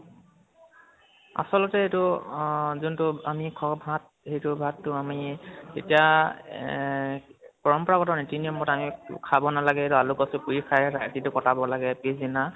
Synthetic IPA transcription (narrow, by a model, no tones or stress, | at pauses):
a̰sɔlɔtɛetʊ | zʊntʊamikʰɔbʱat̚ | hejtʊbʱatːʊamiḛtija | pɔɹɔmpɔɹakɔtanetiniɔmbɔtamikʰabɔnalaɡɛetʊalʊkɔsʊpuɹikʰajtʰaetitʊkɔtabɔlaɡɛpizina